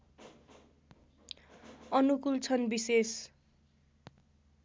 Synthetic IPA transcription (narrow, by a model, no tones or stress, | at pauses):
ʌnukult͡sʰʌnbises